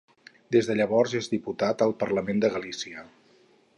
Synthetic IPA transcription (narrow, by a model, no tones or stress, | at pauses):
d̪ezðəʎəβɔrzezd̪iput̪at̪əlˠpəɾləmend̪əɣəlisiə